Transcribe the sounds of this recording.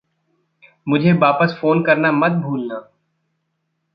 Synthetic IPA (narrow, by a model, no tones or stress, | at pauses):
mʊd͡ʒʱeʋaːpəsfoːnkɐɾnamɐt̪̚bʱuːlnaː